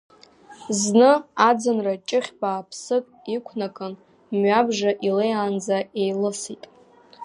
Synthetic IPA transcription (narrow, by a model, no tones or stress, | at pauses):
znɨad͡zɨnrat͡ʃʼɪχʲbaːpʰsɨkʼikʷʰnakʼɨn | mɥabʒaʔilejand͡zae̞jlɨsitʼ